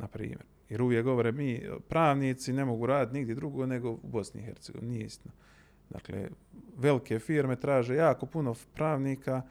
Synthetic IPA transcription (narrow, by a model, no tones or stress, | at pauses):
napɾḭːmjeɾjeɾuʋjekɡo̞ʋoɾeːmiːpɾaːʋniːt̪sine̞moɡuːɾaːd̪it̪niɡd̪jed̪ɾuɡo̞ːne̞ɡo̞ubo̞snḭixe̞ɾt̪seɡ̥oʋinijeist̪ino | d̪a̰ːklḛʋe̞like̞fiːɾme̞t̪ɾaːʒejaːko̞puno̞pɾaːʋniːka